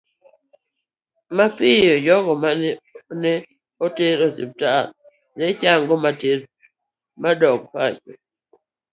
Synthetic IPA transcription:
mapijod͡ʒɔɡɔmannɛ | oteɾotḛp̚ta | nɛt͡ʃaŋɡɔmateɾ | madɔk̚pat͡ʃḛ

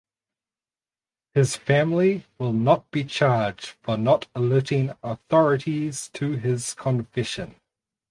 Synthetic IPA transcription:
hɪz̥fæ̃mliwɪlˠnət̚b̥it͡ʃʰɑːd͡ʒd̥fənətəlʉɾɪ̃ŋəθɔɹəɾiz̥tʰəɪz̥kʰə̃ɱfɪʃə̃n

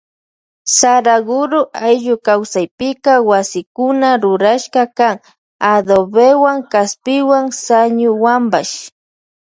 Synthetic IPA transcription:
saɾaɡʊɾʊʔajʎʊkawsajpɪkawasɪkʊnaɾʊɾaʃkɑkaŋ | ad̪obewaŋkaspɪwaŋsaɲʊwambaʃ

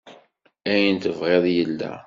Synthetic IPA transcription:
æjənt̪əvʁeðˤjəlːæ̰

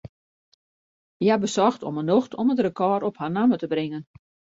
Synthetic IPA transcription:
jabəsɔxtɔ̰mənoxtʰɔmətrəkɔɾɔpharnamətəbrɪŋən

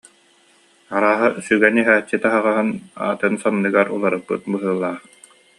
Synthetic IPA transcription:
aɾaːɦasyɡɛniɦæːt͡ɕːit̪aɦaʁaɦɯna̰ːt̪ɯnsɔmnɯɡaɾṵlˠaɾɯpːɯt̪̚bɯɦɯːlˠaːχ

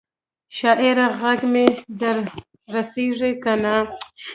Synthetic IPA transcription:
ʃɑʔɪɾaɣaɡmed̪aɾː | aseʐikana

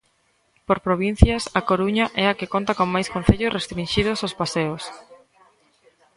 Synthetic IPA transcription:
poɾpɾoβin̟θjɐsɐkoɾuɲɐʔɛakɪkont̪ɐkoŋmajskõn̟θeʎʊsrest̪ɾinʃið̞osospaseos

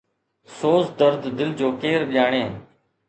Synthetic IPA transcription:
soːsd̪əɾd̪d̪ɪld͡ʒoːkeːɾɗɪjaːɳeː

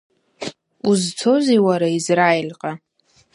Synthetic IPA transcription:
uzt͡sʰoziwaɾaizraelʲqʼa

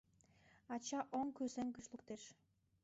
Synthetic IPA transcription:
ɑt͡ɕɑʔoŋkøseŋkyʃlˠukt̪eʃ

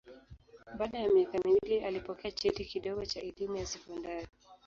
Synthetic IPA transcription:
ɓaɗajamɛkamiwlialipɔkɛat͡ʃɛtikiɗɔɡɔt͡ʃaɛlimujasɛkɔndaɾi

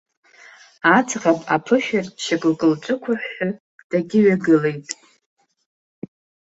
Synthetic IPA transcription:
at͡sʰʼʁapʼa̰pʰɨʃᶣart͡ʃʰakʼlkʼɨlt͡ʃʷʼʊkʷʰaħːʊ | d̥aɡʲɪɥaɡɨlejtʼ

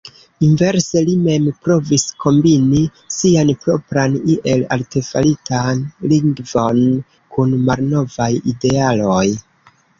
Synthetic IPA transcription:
inve̞ɾse̞lime̞mpɾo̞visko̞mbini | sianpɾo̞pɾaniʔe̞la̰lte̞fa̰litanliŋɡvo̞n | kunmalno̞vajide̞alo̞j

